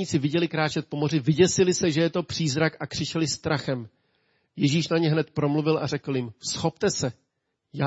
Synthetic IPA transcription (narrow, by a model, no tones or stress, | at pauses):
iːt͡sɪvɪɟɛlɪkɾaːt͡ʃɛt̪̚po̞mo̞rɪvɪɟɛsɪlɪsɛʒɛjɛt̪o̞pr̝̥iːzɾakʔakr̥ɪt͡ʃɛlɪst̪ɾaxɛm | jɛʒiːʃnaɲɛɦnɛt̪pɾo̞mluvɪlʔarɛkl̩jɪmsxo̞pt̪ɛsɛ | ja